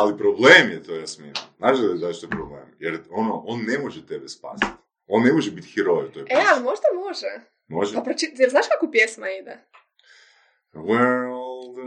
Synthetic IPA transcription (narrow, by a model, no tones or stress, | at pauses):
alipɾoblemjet̪ojasminimznaːʃd̪ad̪aʃt̪ojpɾoblḛmjeɾonoʔonːemoʒɛt̪ebespa̰ːsi̥t̪ | o̞nːemoʒɛbit̪xiɾojut̪ojepɛalˠimoʒd̪amoʒɛ | moʒɛapɾot͡ʃit̪jeɾznaːʃkakupjesmaid̪ɛ | wɛllˠd̪